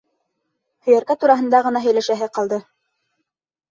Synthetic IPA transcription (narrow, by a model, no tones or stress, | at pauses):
hɵ̆jæɾkæt̪uɾɑɦɤ̆nd̪ɑʁɤ̆nɑɦɵ̆jlæʃæɦɘqɑlˠd̪ɤ